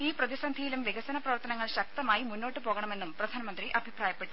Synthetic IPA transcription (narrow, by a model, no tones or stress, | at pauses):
iːprɐðisɐnd̪ʱijilumʋeɡɐsɐnɐprɐʋɐrt̪ɐnɐŋːɐɭɕɐk̚t̪ɐmaːjimunːo̞ːʈːɨpo̞ːɣɐɳɐme̞nːumprɐd̪ʱaːnɐmɐnd̪riʔɐbʱipɾaːjɐpːeʈːu